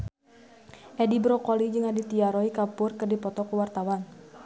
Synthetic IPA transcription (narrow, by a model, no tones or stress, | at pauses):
ʔɛdibɾɔkɔlid͡ʒɨŋadit̪iaɾɔikapʊrkɨrdipɔt̪ɔkuwart̪awan